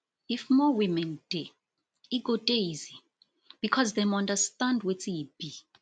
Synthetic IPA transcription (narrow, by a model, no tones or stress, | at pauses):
ifmɔwimɛ̃nd̥e | iɡɔdejzi | b̥ikʰɔzðɛmãndastãndwɛtʰib̥i